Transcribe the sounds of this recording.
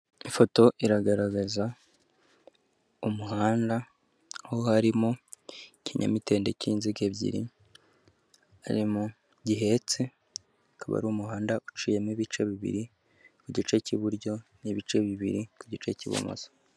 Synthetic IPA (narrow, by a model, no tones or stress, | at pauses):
ifo̞to̞ʔiɾaɡaɾaɡaza | umuɦaːnda | hohaɾimocʰiɲa̰mite̞ːnde̞cinziɡe̞βɟḭɾḭ | a̰ɾimo | ɟiɦe̞t͡se | kaβa̰ɾuːmuhaːndaʔut͡ʃije̞miβit͡ʃe̞βiβḭɾi | kuɟit͡ʃe̞ciβuɾɟo̞niβit͡ʃe̞βiβḭɾikuɟit͡ʃe̞ciβṵmo̰z̥ḁ